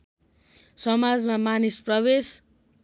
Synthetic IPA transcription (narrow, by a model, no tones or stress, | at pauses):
sʌmad͡zmamanisprʌβes